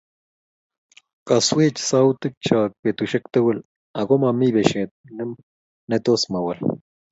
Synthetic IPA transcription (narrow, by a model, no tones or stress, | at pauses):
kaswet͡ʃsawt̪ɨk̚t͡ʃak̚pet̪uʃek̚t̪ewel | aɡomamiβeʃet̪̚nem | net̪osmawal